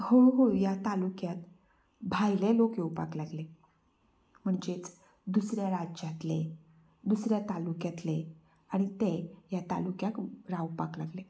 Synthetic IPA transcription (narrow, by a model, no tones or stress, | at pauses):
hoɦojat̪alukjat̪ | bʱajlelokeupa̰klaɡle | m̤əɳd͡ʑet͡s | d̪usɾjaɾad͡ʑd͡ʑat̪le | d̪usɾjat̪alukjat̪le | aɽ̃it̪ejat̪a̰lukjakɾawupaklaɡle